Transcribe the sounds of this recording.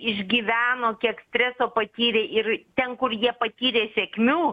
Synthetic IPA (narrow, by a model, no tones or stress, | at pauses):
ɪʒʲɡʲiːʋʲæːnoːkʲiɛksʲt̪ʲɾʲæːsoːpɐt̪ʲiːɾʲeːʔɪrt̪ʲɛnkʊrjiɛpɐt̪ʲiːɾʲeːsʲɛkmʲuː